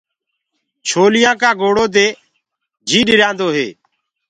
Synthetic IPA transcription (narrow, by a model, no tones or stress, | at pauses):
t͡ʃʰoːlɪjãːkaːɡoːɽoːd̪eː | d͡ʒʱiːɗɪɾãːnd̪oːɦḛː